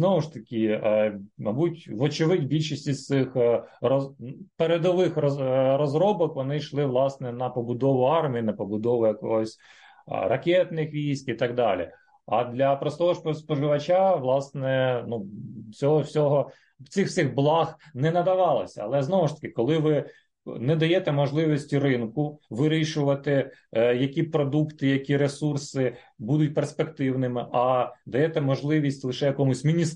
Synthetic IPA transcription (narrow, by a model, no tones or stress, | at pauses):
znɔʋʊʃt̪ɐkʲɪ | mɐbutʲʋɔt͡ʃɪʋɪdʲbʲilʲʃisʲtʲizt̪sɪxrɔpeɾed̪ɔʋɪxrɾɔzɾɔbɔkʋɔnɪʃlˠɪʋlˠɑsnɛnɐpɔbʊd̪ɔʋʊɑrmʲijinɐpɔbʊd̪ɔʋʊjɐkɔɦɔsʲ | rɐkʲɛt̪nɪxʋʲijsʲtʲit̪ɐɡ̚d̪ɑlʲḭ | ɐd̪lʲɐpɾɔst̪ɔɦɔspspɔʒɪʋɐt͡ʃaʋlˠɑsnɛnut͡sʲɔɦɔwsʲɔɦɔ | t̪sɪxw̥sʲɪɣblˠɑxnɛnɐd̪ɐʋɑlˠɐsʲɐɐ̰lˠɛznɔʋʊʃt̪ɐ̥kɪkɔlˠɪʋɪ | nɛd̪ɐjɛt̪ɛmɔʒlˠɪʋɔsʲtʲirɪnkʊʋɪɾʲiʃʊʋɐt̪ɪjɐkʲipɾɔd̪ukt̪ɪjɐkʲiɾesursɪ | bud̪ʊt̚ʲperspekt̪ɪwnɪmɪʔɐd̪ɐjɛt̪ɛmɔʒlˠɪʋʲisʲtʲlˠɪʃɛjɐkɔmʊsʲmʲinʲis